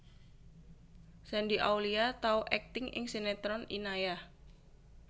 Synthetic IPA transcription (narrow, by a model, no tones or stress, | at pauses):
sɛndiʔauwliat̪auʔɛk̚t̪ɪŋʔɪ̰ŋsenet̪ɾɔninaja